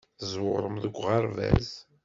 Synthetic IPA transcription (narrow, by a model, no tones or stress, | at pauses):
zwʊʁɾˤəmðəɡʷːʁaɾvæ̰z